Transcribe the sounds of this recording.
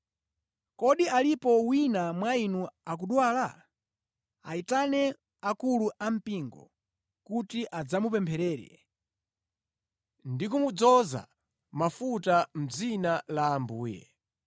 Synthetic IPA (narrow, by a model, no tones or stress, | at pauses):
kɔɗialipɔwinamwainuak̬uɗwaːla̰ | a̰itanɛ | akuluʔam̩piŋɡɔ̰ | kutiʔad͡zamupɛmpʰɛɾɛːɾɛ̰ | ndikumud͡zɔza̰ | mafutam̩d͡zinalaːmbuːjɛ̰